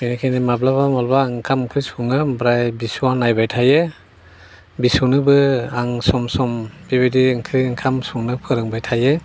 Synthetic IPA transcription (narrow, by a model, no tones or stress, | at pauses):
minakʰajnimablabamɔlbaŋkʰamkʰɯjsuŋɯbɾajbisuwanːajbajtʰaje | bisunɯbɯaŋsɔmsɔmb̥ibajdiɯŋkʰɯjɯŋkʰamsuŋnɯpʰɯɾɯŋbajtʰaje